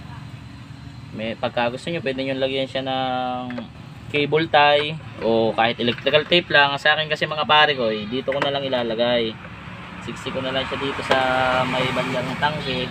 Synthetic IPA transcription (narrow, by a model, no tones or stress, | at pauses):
mɛpɐɡ̚kaɡʊst̪oɲopwɛːd̪ɪɲʊnlɐɡjɐnʃanɐŋ | kejbolt̪ajʔo̞kaːhɪt̪ʔɛlɛk̚t̪ɾɪkɐlt̪ɛjplaŋsɐʔaːkɪnkɐsɛmɐŋapaːɾɪko̞jd̪iːt̪o̞konɐlaŋɪlaːlɐɡaj | sɪksɪkonɐlɐŋʃad̪iːt̪o̞sɐmɐjbɐnlɐŋnɐt̪aŋsɪ